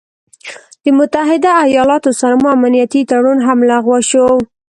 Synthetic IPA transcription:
d̪̥əmʊt̪aɦɪd̪aːjɑlɑt̪osaɾmoamanijat̪it̪aɽunɦamlaɣwaʃow

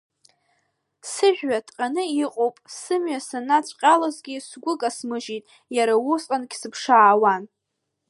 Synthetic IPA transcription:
sɨʒᶣɥatʰʼqʼanɨiqʼowpʼsɨmɥasanat͡ɕʷʼqʲʼalazɡʲisɡʷʊkʼasmɨʒitʼ | jaɾawʊsʼqʼankʲsɨpʰʂaːwan

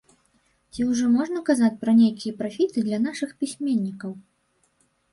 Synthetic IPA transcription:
t͡sʲiuwʐɔmɔʐnɐkazat͡sʲpɾɐnʲejkʲijɐpɾafʲit̪ɨd̪lʲɐn̪aʂɨxpʲisʲmʲenʲːikɐw

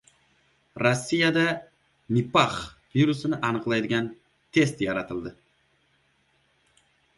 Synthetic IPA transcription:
ɾosʲːijad̪a | mipaχviɾusɪnɪʔɑnɨqlˠɑjd̪ɪɡʲan | t̪ʰe̞st̪jɑɾɑt̪ʰɨlˠd̪ɪ

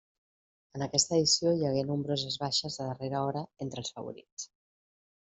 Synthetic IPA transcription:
ənəkɛst̪əːðisjojəɣ̞enumbɾozəzβaʃəzðəðəreɾəɔɾəent̪ɾəlˠsfə̰βṵɾḭt͡s

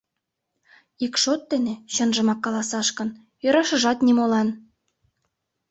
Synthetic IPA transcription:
ikʃot̪ːeneɕɤnʒə̆mɑkːɑlˠɑsɑʃkɤ̆n | jøɾɑʃə̆ʒɑt̪nʲimolɑn

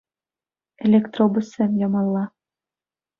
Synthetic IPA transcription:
elʲekt̪robusemjɑmɑlˠːɑ

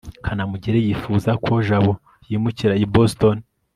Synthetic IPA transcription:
kʰanamuɟeɾejifuzakʰo̞ʒaβo | jiːmuciɾaiboston

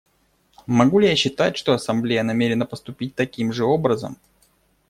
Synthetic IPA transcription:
mɐɡulʲɪjaɕːɪt̪atʲʂt̪o̞ɐsɐmblʲejənɐmʲeɾʲɪnəpəst̪ʊpʲit̚ʲt̪ɐkʲimʐɨo̞bɾəzə̰m

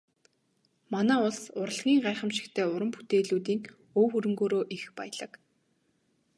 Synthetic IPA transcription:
manæːʊɮsʊɾə̆ɮɣʲiːŋɢæːχə̆mʃɪ̥̆xt̪ʰeːʊɾə̆mpu̥t̪ʰeːɮuːt̪iːŋ | oːxɵɾɵ̆ŋɡoːɾoːʔixpæj̆ɮə̆k

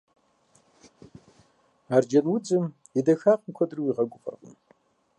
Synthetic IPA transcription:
ard͡ʒanwʊt͡sʼɨm | idaxaːqʼmkʷʰɐdɨrwiʁaɡʷʼʊpʼa̰rqʼʊ̰m

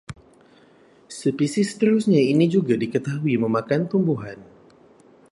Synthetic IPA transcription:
səpisɪsə̥t̪əɾusɲainid͡ʒuɡadikət̪aɦuiməmakant̪umbuɦan

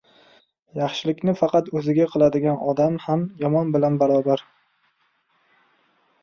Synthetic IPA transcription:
jɑχʃɪlɪkʲnɪfɑqɑt̪ɵzɪɡʲaqʰɨlˠad̪ɪɡʲanɒd̪amhamjɒmɒnbɪlanbaɾɒbaɾ

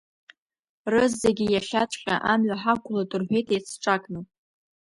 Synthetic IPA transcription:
rɨzːeɡʲijaʃʲat͡ʃʷʼqʲʼa̰ʔamɥaħakʷʰʊladʼɨrħʷᶣe̞jtʰejt͡sʰʈ͡ʂʼakʼnɨwpʼ

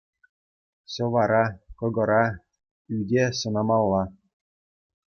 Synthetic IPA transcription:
ɕɤ̆ʋɑɾɑkɤ̆ɡɤ̆ɾɑ | ydʲeɕɤ̆nɑmɑlˠːɑ

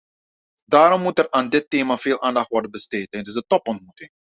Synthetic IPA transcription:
daːɾɔmːutɛraːndɪtːeːmaːv̥eːlˠʔaːndɑχtʋɔrdənbəsteːtɛntɪsdətɔpɔnt̚mutɪŋ

